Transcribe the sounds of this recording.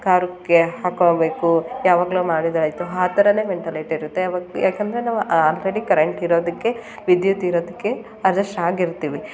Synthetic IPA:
kaːɾukːeɦaːkoːbeːkujaːʋaːɡɐlumaːɽid̪ɐɾɐjt̪ːuɦaːt̪ɐɾɐne̞ːʋeɳʈilɐjʈiɾut̪ːeajaːkend̪ɐɾenaːʋuʔaaːlɾeɽikɐɾeɳʈiɾo̞ːd̪ɐkːe̞ | ʋid̪jut̪ːiɾoːd̪ɐkːe̞ | ɐɾɐsʈaːɡiɾt̪iːʋi

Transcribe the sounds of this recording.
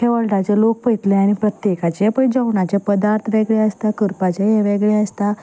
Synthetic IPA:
keʋəɭʈat͡ɕelok̚pəjt̪leaɽ̃ipɾət̪jekat͡ɕeapəɳd͡zəwɳat͡ɕepəd̪aɾt̪ʰʋeɡɭeəst̪akəɾpat͡ɕejeʋeɡɭeəst̪a

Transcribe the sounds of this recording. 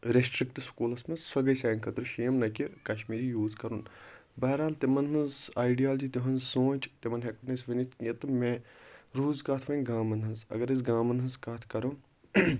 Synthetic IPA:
ɾesʈɾikʈskuːlɐsmɐsɐɡɐjsaːnʲkʰɐt̪ɨɾʃeːmnɐkʲikɐʃmiːɾijuːzkɐɾunbɐɦɾaːlt̪imɐnɦɨnzaːjɖijaːld͡ʒiːt̪iɦɐnzsõːt͡ʃt̪imɐnɦeknɐsʋɐnit̪ɐt̪ɨmeɾuːzkaːt̪ʰʋɐnʲɡaːmɐnɦɨzɐ̰ɡɐɾizɡaːmɐnɦɨnzkaːt̪ʰkɐɾun

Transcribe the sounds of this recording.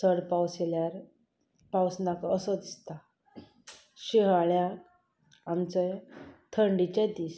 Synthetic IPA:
səɽpawseljaɾ | pawsnakəsəd̪ist̪a | ɕiɦaɭjaː | mt͡səjt̪ʰəɳɖit͡ɕad̪iːs

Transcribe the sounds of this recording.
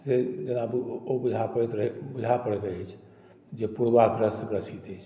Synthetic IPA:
sed͡ʒenabobud͡ʒʱapəɽɛt̪ɾəɦɛbud͡ʒʱapəɽɛt̪əjt͡ʃʰ | d͡ʒepuɾbakɾəsɡɾəsit̪ət͡ʃʰ

